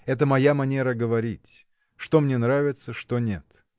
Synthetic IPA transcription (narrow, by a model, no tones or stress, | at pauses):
ɛt̪əmɐjamɐnʲeɾəɡəvɐɾʲitʲ | ʂt̪o̞mnʲenɾavʲɪt̪səʂt̪onʲe̞t̪